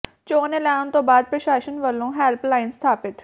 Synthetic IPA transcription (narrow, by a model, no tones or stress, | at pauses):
t͡ʃoːnelaːnt̪õːbaːd̪̚pɾəʃaːʃənʋəlõːɦɛːlplaːɪnst̪ʰaːpɪt̪